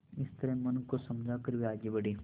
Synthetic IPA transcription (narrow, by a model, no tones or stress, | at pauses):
ɪst̪ɐɾemɐnkosɐmd͡ʒʱakɐɾʋiaːɡibɐɽiː